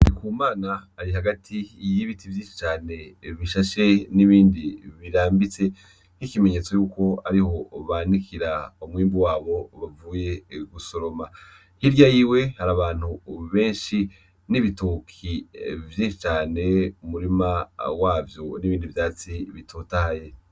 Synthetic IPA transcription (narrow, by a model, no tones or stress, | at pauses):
ikuːmaːnaːɾiɦaɡatʰijiβitivjiːʃi̥t͡ʃaːne̞βiʃaʃe̞niβiːndiβiɾaːmbit͡se̞ | nikime̞ɲe̞t͡so̞juːko̞aɾiho̞βaːnikʰiɾaumwiːmbuwaːβo̞βavuːje̞ɾɡuso̞ɾo̞ma | hiɾjajiwe̞haɾaβaːn̥huβe̞ːnʃi | niβitukʰivjiːʃit͡ʃaːne̞umuɾimawaːvjo̞niβiːndivjaːt͡siβitʰotahaje̞